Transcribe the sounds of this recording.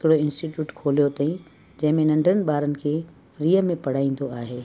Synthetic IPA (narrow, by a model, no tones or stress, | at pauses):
ɪkɪɽoɪ̃nsʈiʈjuːʈkʰoːlijot̪ɐːĩ | d͡ʑɐ̃ɦɪ̃mẽnɐ̃ɳɖʱənɪ̆ɓaːɾənɪ̆kʰeː | fɾiːəmẽpɐɽ̤aːĩːnd̪oaːɦeː